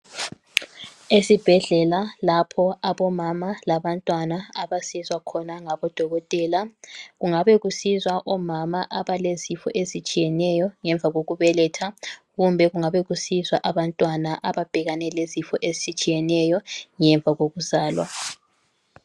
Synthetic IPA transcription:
esib̥ʱɛɮɛlalapʰɔaβɔmamalaβantʼwanaaβasizwakʰɔnaŋaβɔd̥ʱɔɣɔtʼɛːlaɣuŋaβɛɣusizwaʔɔmamaʔaβalezifɔ̰ʔezit͡ʃʼijɛnɛjɔŋɛɱb̪vʱaɣoɣuβɛlɛtʰaɣumbʱɛɣuŋaβɛɣusizwaʔaβantʼwanaʔaβab̥ʱɛɣanɛlezifɔʔezisit͡ʃʼijɛnɛjɔŋɛɱb̪vʱaɣoɣuzaːlwa̰

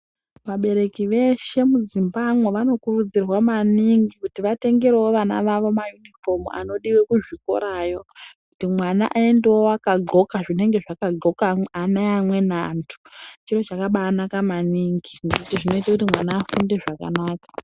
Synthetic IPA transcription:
ʋaɓe̞ɾe̞kiʋe̞ʃe̞mud͡zimbamweʋano̞kurud͡zirwamaniŋɡikutiʋate̞ŋɡeɾewoʋana̰ʋaʋo̞majunifo̞muʔa̰no̞ɗiwe̞kuʐiko̞̰ɾajo̞kkutimwana̰ʔae̞ndewoakaɡʱo̞kaʐine̞ŋɡe̞ʐakaɡʱo̞kaanaamwe̞naːntʰu̥t͡ʃiro̞t͡ʃakaɓaːnakamaniŋɡiŋekutiʐino̞itakutimwanaːfunde̞ʐaka̰naːkḁ

